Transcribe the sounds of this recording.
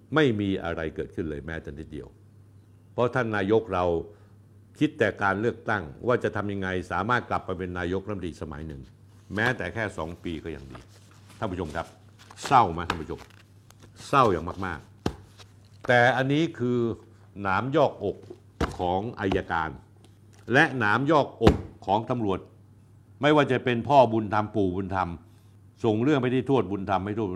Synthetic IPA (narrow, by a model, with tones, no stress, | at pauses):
ma˥˩jmiː˧ʔa̰˧ɾa˧jkɤː˨˩t̪̚kʰɯ˥˩nlɤː˧jmɛː˦˥t͡ɕ̪ɛ˨˩ni˦˥t̪̚dḭ˧əw | pʰɔ˦˥t̪ʰa˥˩nːaː˧jo˦˥k̚ɾa˧w | kʰi˦˥t̪ːɛː˨˩kaː˧nlɯ˥˩ək̚t̪a˥˩ŋwaː˥˩t͡ɕa˨˩t̪ʰa˧mja˧ŋːa˧jsaː˩˦maː˥˩t̪̚kla˨˩pːa˧jpe˧nːaː˧jo˦˥a˥˧˩t̪iː˧sa˧ma̰˩˦jnɯ˨˩ŋ | mɛː˦˥t̪ɛː˨˩kʰɛː˥˩sɔː˩˦ŋpiː˧kɔː˥˩ja̰˨˩ŋdḭː˧ | t̪ʰa˥˩pu˧˥t͡ɕʰo˧mkʰa˦˥p̚ | sa˥˩wmaː˧t̪ʰa˥˩pʰːt͡ɕʰo˧m | sa˥˩wjaː˨˩ŋmaː˥˩k̚maː˥˩k̚ | t̪ɛː˨˩ʔa˧nːiː˦˥kʰɯː˧ | naː˩˦mjɔː˥˩k̚ʔo˨˩kʰː | ɔː˩˦ŋʔa˧jːaː˧kaː˧n | lɛ˦˥ʔnaː˩˦mjɔː˥˩k̚ʔo˨˩kʰːɔː˩˦ŋt̪a˧mɾu˨˩ət̪̚ | ma˥˩jwaː˥˩t͡ɕa˨˩pe˧npʰɔː˥˩bu˧nt̪ʰa˧mpuː˨˩bu˧nt̪ʰa˧m | so˨˩ŋɾɯ˥˩əŋpa˧jt̪ʰiː˥˩t̪ʰu˥˩t̪̚bu˧nt̪ʰa˧mːa˥˩jt̪ʰu˥˩